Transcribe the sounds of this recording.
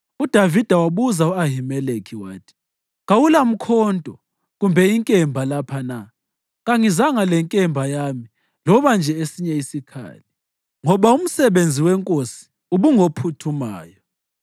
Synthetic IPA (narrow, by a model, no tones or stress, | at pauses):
ud̥ʱavid̥ʱawaβuzauaɦimɛlekʰiwaːtʰi̥ | ɣawulam̩kʰɔːntʼɔ | ɣumbʱɛiŋkʼɛmbʱalapʰana | ɣaŋizaŋalɛŋkʼɛmbʱajami | lɔβand͡ʒʱɛesiɲɛisikʰa̰ːli | ŋɔβaum̩sɛβend͡zʱiwɛŋkʼosi̥ | uβuŋopʰutʰumaːjɔ